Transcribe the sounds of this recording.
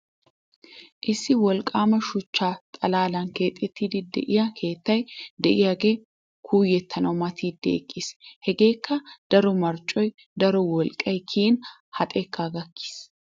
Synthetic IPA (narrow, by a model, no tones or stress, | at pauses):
ʔɪsːɪwɔlkʼaːmɐʃʊt͡ʃːaːt̪ʼɐlaːlɐnke̞ːt̪ʼːɛt̪ːid̪ɪd̪ɛ̰ʔɪjakʰe̞ːt̪ːɐjd̪ɛʔɪjaɡeː | kʰuːjɛt̪ʰːɐnɐwmɐt̪ʰiːd̪ːḛːkʼːɪshɛɡeːkːɐd̪̥ɐɾɔmɐɾt͡ʃʼːɔj | d̪ɐɾɔwɔlkʼːɐjkʰiːn | hɐt̪ʼeːkːaːɡɐkːi̥s